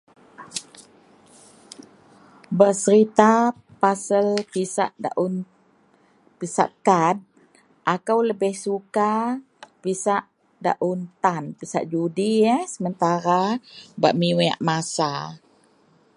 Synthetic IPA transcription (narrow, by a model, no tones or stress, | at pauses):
bərsəɾit̪a | pasəlpisa̰ʔda̰ʔun | pisa̰ʔkad̚ | ʔakawləbɪhsuka | pisaʔ | da̰ʔunt̪anpisa̰ʔd͡ʒudiəsəmənt̪aɾaba̰ʔmiwɛa̰ʔmasa